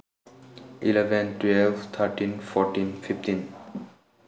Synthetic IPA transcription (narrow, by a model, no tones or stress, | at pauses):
ʔilɛvə̃ntwɛlvt̪ʰəɾʈĩnfɔɾʈĩnfift̪ĩn